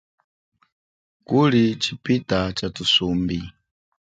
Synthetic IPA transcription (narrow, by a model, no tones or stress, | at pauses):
kulit͡ʃipitat͡ʃatusumbi